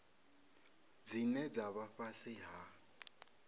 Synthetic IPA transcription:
d͡zinɛd͡zaβafasɪɦa

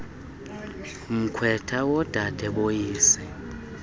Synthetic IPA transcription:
m̩kʰwɛtʰawɔd̥ʱad̥ʱɛɓojiːsɛ

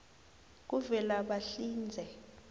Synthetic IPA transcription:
k̬uvɛlaɓaɬiːnd͡zʱɛ

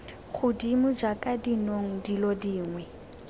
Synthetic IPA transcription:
ɣʰʊdimʊd͡ʒakʼadinoŋ̩dilɔdiːŋwɛ

